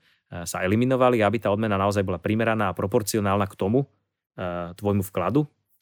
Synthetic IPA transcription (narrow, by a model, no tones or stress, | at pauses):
sa̰ɛliminɔʋaliabit̪aːɔd̪mɛnanaɔzajbɔlapɾimɛɾanaːpɾɔpɔɾt͡siɔnaːlnakt̪ɔmu | t̪ʋɔjmufklad̪u